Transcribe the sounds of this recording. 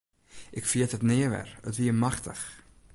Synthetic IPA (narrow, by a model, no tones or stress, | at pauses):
ʔɪkfiətətneəvɛ̰rə̰tviəmaχtəχ